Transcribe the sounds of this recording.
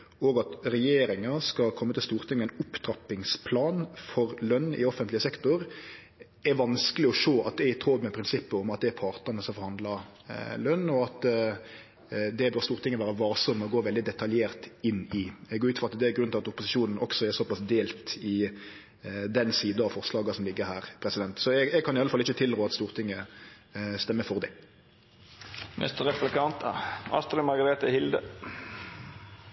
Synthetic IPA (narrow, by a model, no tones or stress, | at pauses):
oːɡɑt̪ɾɛjeːɾɪŋɑskɑkʰɔmːət̪ɪlst̪uːɾt̪ʰɪŋːəæɛɪnʊpt̪ʰɾɑpɪŋspʰlɑːnfɔɾlœnːɪ̰ɔfənt̪lɪəsɛkt̪ʊɾ | ɛɾʋɑnskəlɪɔʂoːʔɑt̪̚d̪ɛɪt̪ʰɾod̪mɛpʰɾɪnsɪpːəɔmɑt̪̚d̪ɛæɾpʰɑɾt̪əɾnəsɔmfɔɾhɑnd̪lɑ | lœnːɔɑt̪ | d̪ɛbøːɾst̪uːɾt̪ɪŋːəʋæːɾəʋɑːɾsɔmːɔɡoːʋɛld̪ɪd̪ɛt̪ʰɑljeːɾt̪ɪnːɪɛɡoːʉːt̪fɔʁɑt̪d̪ɛæɾɡɾʉnɪɑt̪ʊpʊsɪʃuːnn̩ʔɔksɔɛsɔpɑsd̪eːlt̪ɪ | d̪ɛnsiːd̪ɑʋfɔʁslɑːɡɑsɔmlɪɡːəɾhæːɾpʰɾɛsɪd̪ɛnt̪sɔɛɡɛɡ̚kʰɑnɪɑləfɑlːəɪçːət̪ʰɪld̪ɾoːɑt̪st̪uːʁt̪ʰɪŋːə | st̪ɛmːəfɔʁd̪æ | mʔɛ̰st̪ɾɛplɪkʰɑnt̪ɑ̰st̪lɪmɑʁɡɑɾeːt̪əhɪld̪ə